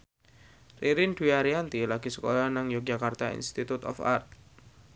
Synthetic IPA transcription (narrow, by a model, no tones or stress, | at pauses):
riɾind̪̥uaɾiant̪ilaɡ̥i̤səkɔlɔnaŋjɔk̚d͡ʒ̥akart̪aḭnst̪it̪ut̪ɔ̰fa̰rt̪̚